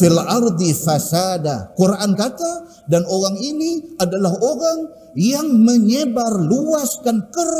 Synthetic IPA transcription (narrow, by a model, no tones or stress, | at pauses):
ilʔard̪ifasadakoɾaʔankat̪a | danoɾaŋiniadalaɦoɾaŋ | jaŋməɲəbarluaskankəɾ